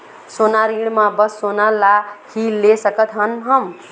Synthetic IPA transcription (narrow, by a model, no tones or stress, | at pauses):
sonaɾiɽ̃mãbəsːonalahilesəkət̪ɦənɦəm